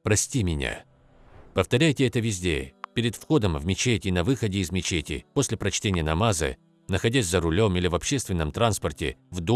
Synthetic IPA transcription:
pɾɐsʲtʲimʲɪnʲa̰ | pəft̪ɐɾʲæjtʲɪɛt̪əvʲɪzʲdʲḛpʲɪɾʲɪt̪fxo̞d̪əmvmʲɪt͡ɕetʲɪnɐvɨxədʲɪːzmʲɪt͡ɕetʲɪ̰po̞sʲlʲɪpɾɐt͡ɕtʲenʲɪjənɐmazɨ̰ | nəxɐdʲæsʲzəɾʊlʲo̞milʲɪvɐpɕːest̪vʲɪnːəmt̪ɾanspərtʲɪ̰vd̪o

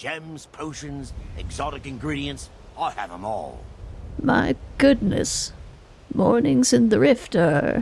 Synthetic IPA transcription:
d̥ʒ̥ɛ̃mz̥pʰoʊʃɨ̃nzɨɡzɑɾɨkɨ̃nɡɹiɾiɨ̃ns | aɪəv̥ə̰̃mɔ̰lˠma̰ɪɡ̥ʊdⁿnɨ̰s | mɔɹnɪ̃ŋzɨ̃nðəɹɪftə̰˞

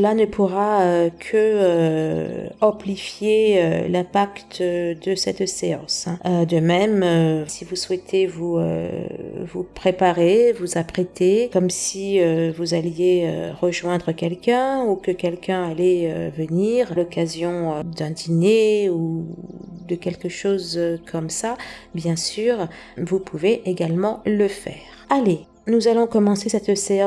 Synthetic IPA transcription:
lanəpʰuʁaøkʰəø | ɑ̃plifjeø̰lɛ̃pakt̪d̪əsɛt̪seɑ̃sɛ̃ød̪əmɛmøsivuswɛt̪ʰevuø̰ | vupχepaʁevuzapχet̪ekɔmsiøvuzaljeø̰ʁəʒwɛ̃d̪ʁəkʲɛlkʲɛ̃ukəkʲɛlkʲɛ̃alɛø̰vəniʁlɔkazjɔ̃ød̪ɛ̃d̪ineu | d̪əkʲɛlkəʃozkʰɔmsabjɛ̃syːʁvupʰuveʔeɡalmɑ̃ləfɛːʁale | nuzalɔ̃kɔmɑ̃sesɛt̪seɑ̃

